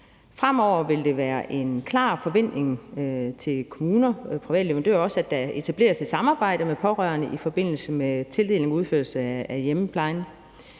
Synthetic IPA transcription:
fʁam̰ɒʊ̰ɐʋe̝ld̥e̝ʋæːɐʔe̝nkʰlɑ̰̈ːfɒ̽ʋen̰d̥ne̝ŋt͡sʰe̝lkʰo̝muːnɐpʰʁiʋɛ̰ːdle̝ʋɐndø̰ɐ̰ɒ̽səæd̥æe̝t͡sʰæb̥le̝̰ːɐsed̥sɑ̈mɑ̈ːb̥ɑ̈ɪ̰ɾ̥əmepʰɒ̽ʁɶɐnəʔifɒ̽b̥e̝n̰l̩səmet͡sʰe̝lde̝̰ːleŋɒuð̞ˠføɐlsəææjeməpʰlɑ̈ɪn

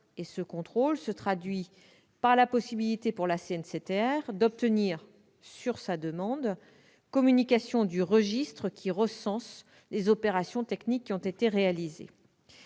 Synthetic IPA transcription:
esəkɔ̃t̪χolsət̪χad̪ɥi | paʁlapɔsibilit̪epuʁlaseɛnset̪eɛʁd̪ɔp̚t̪əniːʁ | syʁsad̪əmɑ̃d̪ | kɔmynikasjɔ̃d̪yʁəʒist̪χəkʲʰiʁəsɑ̃s | lezɔpeʁasjɔ̃t̪ɛknikʲːiɔ̃t̪et̪eʁealizḛ

